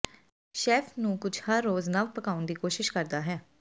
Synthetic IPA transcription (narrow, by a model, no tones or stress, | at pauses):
ʃɛːpʰnũːkʊd͡ʒʰhəɾːoːznaʋpəkaːʊnd̪iːkoːʃɪʃkəɾd̪aːɦɛː